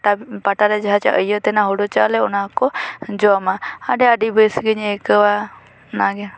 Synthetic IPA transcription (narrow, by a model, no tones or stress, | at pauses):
apaʈaɾɛd͡ʒaɦat͡ʃa̰ʔəjət̪ɛnaɦɔɖɔt͡ʃaʔlɛɔnakɔd͡ʒɔamaaɖɛaɖibəsɡəɲɛkəwa | naɡɛ